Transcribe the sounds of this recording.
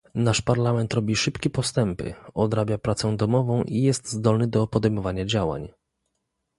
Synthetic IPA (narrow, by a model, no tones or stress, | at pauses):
naʂpaɾlamɛnt̪ɾɔbʲiʂɘpkʲɛpɔst̪ɛmpɘ̰ɔd̪ɾabʲjapɾat̪sɛd̪ɔmɔvɔ̃w̃ʔijɛst̪zd̪ɔlnɘd̪ɔpɔd̪ɛjmɔvaɲad͡ʑawa̰ɲ